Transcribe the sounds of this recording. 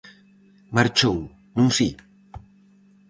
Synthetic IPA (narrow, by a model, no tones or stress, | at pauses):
maɾt͡ʃow | nũŋsi